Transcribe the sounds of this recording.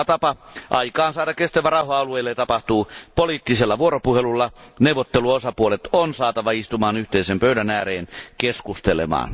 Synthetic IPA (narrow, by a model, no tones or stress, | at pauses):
t̪ɑpɑʔɑikɑːnsɑːɾɑkkːest̪æʋærɑuhɑɑlueilːeɑt̪ɑpɑht̪uːpoliːt̪ːiselːɑʋuoropuhelulːɑneuwʋˑot̪ːeluosɑpuolet̪onsɑːt̪ɑʋɑist̪umɑːnyht̪eisempøydænæːreːnkeskust̪elḛmɑ̰ːn